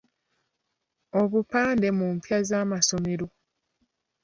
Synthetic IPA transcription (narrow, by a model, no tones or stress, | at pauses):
oβupaːnde̞muːmpjazaːmaso̞meɾo̞